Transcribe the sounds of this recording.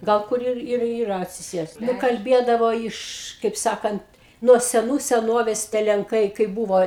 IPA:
ˈɡɐlˠ kʊr ˈɪr ɪr iːˈrɐ ɐtʲsʲɪˈsʲeːst kɐlʲˈbʲiɛdɐʋoː ˈɪʃ kɐɪp ˈsɑːkɐnt nuɔ sʲɛˈnuː sʲɛˈnoːʋʲeːs tʲiɛ lʲɛŋˈkɐɪ kɐɪp ˈbuːʋoː

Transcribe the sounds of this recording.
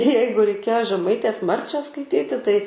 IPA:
ˈjɛɪɡʊ rʲɛɪˈkʲeːjoː ʒʲɛˈmɐɪtʲeːs ˈmɐrʲt͡ʃʲæː skɐɪˈtʲiːtʲɪ tɐɪ

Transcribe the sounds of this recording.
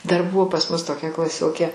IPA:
dɐr ˈbʊʋoː pɐs ˈmʊs toːˈkʲɛ klˠɐˈsʲoːkʲeː

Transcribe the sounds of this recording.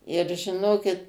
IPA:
ɪr ʒʲɪˈnoːkʲɪt

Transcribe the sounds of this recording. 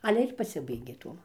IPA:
ˈɑːlʲɛ ɪr pɐˈsʲɪbɐɪɡʲeː ˈtuɔm

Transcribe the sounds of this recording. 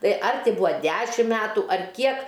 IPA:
ˈtɐɪ ɐr ˈtʲɪ ˈbʊɐ ˈdʲæːʃʲɪm ˈmʲæːtʊ ɐr ˈkʲiɛk

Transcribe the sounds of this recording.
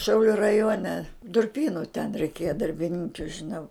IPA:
ˈʃʲɛʊlʲʊ rɐˈjuɔnʲɛ dʊrʲˈpʲiːnʊ tʲɛn rʲɛɪˈkʲeːjɛ dɐrʲbʲɪˈnʲɪŋʲkʲʊ ʒʲɪˈnɐʊ

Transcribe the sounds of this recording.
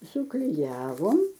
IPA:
sʊklʲɪˈjæːʋoːm

